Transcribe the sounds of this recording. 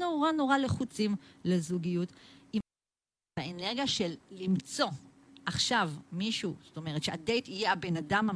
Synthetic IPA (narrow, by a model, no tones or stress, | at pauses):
noʁanoʁale̞χut͡simlezuɡijuti | aeneʁɡjaʃelːimt͡so̞ | ʔaχʃavmiʃuz̥oto̞me̞ʁetʃeadejtijeabe̞nadama